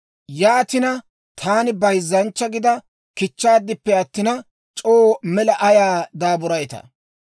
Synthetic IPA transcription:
jaːt̪ɪnɐ | t̪ʰaːnɪbɐjzːɐnt͡ʃːɐɡɪd̪ɐ | kɪt͡ʃːaːd̪ːɪpːɛɐt̪ːɪnɐ | t͡ʃʼoːmɛlɐʔɐjaːd̪aːbʊɾɐjt̪ɐ̰

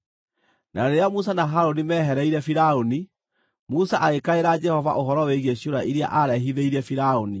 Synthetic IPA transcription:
naɾeɾeamus̬anaɦaɾonimɛɦɛɾɛiɾɛfiɾaoni | musaʔaɣekaeɾad͡ʒɛhɔva̰ʔoɦɔɾɔweɣieɕioɾaʔiɾija̰ʔaɾɛɦiðeiɾɛfiɾaoni

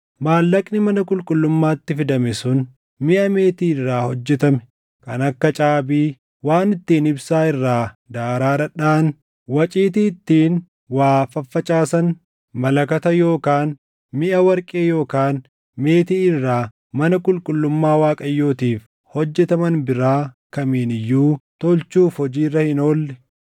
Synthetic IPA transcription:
maːlːɐkʼnɪmɐnɐkʼʊlkʼʊlːʊmːaːt̪ːɪfɪd̪ɐmɛsʊn | mɪʔɐme̞ːt̪iːɪrːaːhɔd͡ʒːɛt̪ɐmɛ̥ | kɐ̰nɐkːɐt͡ʃʼaːbiː | waːnɪt̪ːiːnɪbsaːɪrːaːd̪aːɾaːɾɐᶑaːn | wɐt͡ʃʼiːt̪̬iːt̪ːiːn | waːfɐfːɐt͡ʃʼaːsɐn | mɐlɐkɐt̪ɐjo̞ːkaːn | mɪʔɐwɐɾkʼeːjo̞ːkaːn | meːt̪iːɪrːaː | mɐnɐkʼʊlkʼʊlːʊmːaːwaːkʼɐjːoːt̪iːf | hɔd͡ʒːɛt̪ɐmɐnbɪɾaːkɐmiːnɪjːuːt̪ɔlt͡ʃuːfhɔd͡ʒiːrːɐhɪno̞ːlːɛ

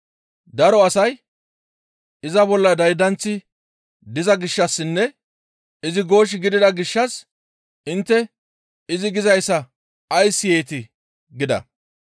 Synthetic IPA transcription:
d̪ɐɾɔɐsɐj | ɪzɐbɔlːɐd̪ɐjd̪ɐnt͡sːɪ | d̪ɪzɐɡɪʃːɐsːɪnːɛ | ɪzɪɡo̞ːʃ̬ɪɡɪd̪ɪd̪ɐɡɪʃːɐs | ʔɪnt̪ːɛ | ɪzɪɡɪzɐjsːɐ | ɐjsːɪjeːt̪ɪ | ɡɪd̪ɐ̰

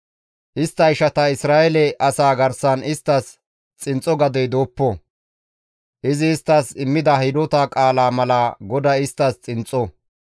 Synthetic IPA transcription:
ʔɪst̪ːɐɪʃɐt̪ɐɪsɾaːjɛlɛʔɐsaːɡɐɾsɐnɪst̪ːɐs | t͡sʼɪnt͡sʼɔɡɐd̪ɛjd̪oːpːɔ | ʔɪzɪːst̪ːɐsɪmːɪd̪ɐɦɪd̪oːt̪akʼaːlaːmɐlaɡɔd̪aɪst̪ːɐst͡sʼɪnt͡sʼːɔ

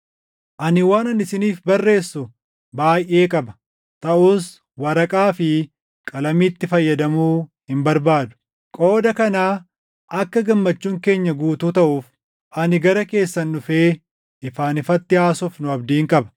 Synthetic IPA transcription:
ʔɐnɪwaːnɐnɪsɪniːfbɐrːe̞ːsːʊ | baːjʔe̞ːkʼɐbɐ | t̪ɐʔuːs | wɐɾɐkʼaːfɪ | kʼɐlɐmiːt̪ːɪfɐjːɐd̪ɐmuːhɪmbɐɾbaːd̪ʊ̥ | kʼo̞ːd̪ɐkɐnaː | ɐkːɐɡɐmːɐt͡ʃːuːŋke̞ːɲːɐɡuːt̪uːt̪ɐʔuːf | ʔɐnɪɡɐɾɐke̞ːsːɐnːʊfeː | ɪfaːnɪfɐt̪ːɪaːsʊfnʊɐbd̪iːŋkʼɐbɐ̥

